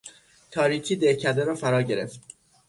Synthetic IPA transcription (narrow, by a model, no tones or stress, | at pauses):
t̪ʰɒːɾiːcʰiːd̪ecʰæɾd̪eɾɒːfæɾɒːɟe̞ɾe̞̰ft̪